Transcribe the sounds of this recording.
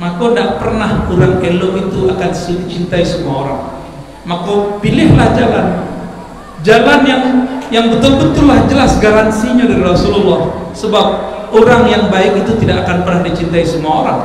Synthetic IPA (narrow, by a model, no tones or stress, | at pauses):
makonaʔpərnahkuɾaŋeloŋit̪uakansə̥sudit͡ʃint̪aisəmuaoɾa̰ŋ | makopilɪhlahd͡ʒalan | d͡ʒalanjaŋjaŋbət̪ulbət̪ʊlːahd͡ʒəlasɡaɾansiɲadaɾiɾasululːahsəbap̚ | oɾaŋjaŋbaɪkit̪ut̪idakːakanpərnahdit͡ʃint̪aisəmuaoɾa̰ŋ